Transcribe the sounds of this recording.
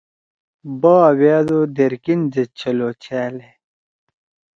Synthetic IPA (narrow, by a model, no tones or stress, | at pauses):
baːweːd̪od̪eɾkind͡zet͡ɕʰɐloːt͡ɕʰæːle